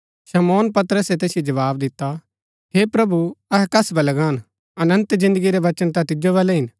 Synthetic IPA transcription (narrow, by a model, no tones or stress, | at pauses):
ʃɐmoːnpɐt̪ɾəset̪̬eːsjod͡ʒɐʋaːbd̪ɪt̪ːa | ɦeːpɾɐbuɐɦɛkɐsbɐlɐɡaːn | ɐnə̃nt̪zɪ̃nd̪əɡiɾeʋɐt͡ʃənt̪ãt̪ɪd͡ʒoʋɛːlɛɦɪn